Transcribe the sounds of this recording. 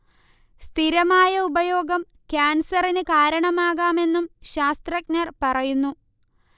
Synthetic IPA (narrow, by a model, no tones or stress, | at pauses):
st̪ʰiɾɐmaːjɐubɐjo̞ːɡɐm | kʲaːnsɐrinɨkaːɾɐɳɐmaːɣaːme̞nːumɕaːst̪rɐk̚nɐrpɐrɐjunːu